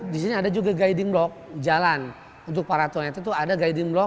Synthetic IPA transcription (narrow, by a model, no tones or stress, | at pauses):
dis̬iniadad͡ʒuɡaɡaidɪŋblɔk̚d͡ʒalan | unt̪ʊk̚paɾat̪ɔnat̪at̪̬uadaɡaidɪŋblɔ